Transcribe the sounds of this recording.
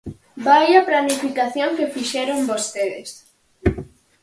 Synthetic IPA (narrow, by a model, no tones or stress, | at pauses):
bajɐplanifikaθjoŋkefiʃɛɾombost̪eðḛs